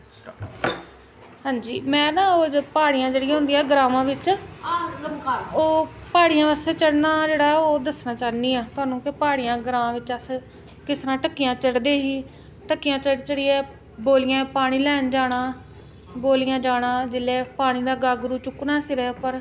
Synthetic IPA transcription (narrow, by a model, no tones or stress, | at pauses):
ɦãːɲd͡ʒiːmɛ̃ːnãːoːpaːɽɪjãːd͡ʒeːɽɪjãːɦʊ̃nd̪iːaːɡɾaːmãːʋɪt͡ʃ | oːpaːɽijãːʋəst̪eːt͡ʃəɽnãːd͡ʒeːɽaːoːd̪əsnaːt͡ʃaːniːaːt̪ʊaːnũːkɪpaːɽɪjãːɡɾaːʋãːʋɪt͡ʃəs | kɪsɾãːʈəkːɪjãːt͡ʃəɽd̪eːɦiː | ʈəkːijãːt͡ʃəɽt͡ʃəɽiːɛː | boːlɪjãːpaːɽ̃iːlɛːnd͡ʒaːɽãː | boːlijãːd͡ʒaːɽãːd͡ʒɪlːɛːpaːɽ̃iːd̪aːɡaːɡɾuːt͡ʃʊkːnaːsɪɾɛːpəɾ